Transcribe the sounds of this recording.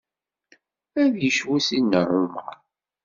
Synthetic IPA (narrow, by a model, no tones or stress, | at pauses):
æðjəʃwæsinːərˤʊma̰